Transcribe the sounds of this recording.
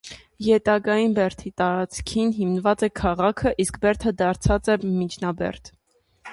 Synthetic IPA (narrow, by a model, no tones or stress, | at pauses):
jɛt̪ɑɡɑjinbɛɾt̪ʰit̪ɑɾɑt͡skʰinɦimnəvɑt͡sɛkʰɑʁɑkʰəʔiskbɛɾt̪ʰəd̪ɑɾt͡sʰɑt͡sɛmit͡ʃʰnɑbɛ̰ɾt̪ʰ